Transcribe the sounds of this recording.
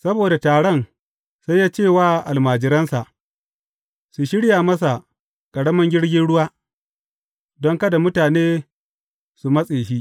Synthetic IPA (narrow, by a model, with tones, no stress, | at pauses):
sɐ˦boː˨da˨taː˨ɽɔ˦˨n | sa˦jaː˦t͡ʃeː˦˨waː˦ʔa˨lmaː˨d͡ʒɪ˨ɾɐ˦nsa˨ʔ | su˨ʃɪ˦ɽjaː˨mɐ˦s̬a˨ | kʼɐ˨ɽɐ˦mɐ˦ŋɡʲɪ˦ɽɡʲɪ˦nɽʊ˦waː˦ | dɔ˦ŋkɐ˦da˨mʊ˦taː˨neː˦ | su˨mɐ˦sʼeː˨ʃiː˦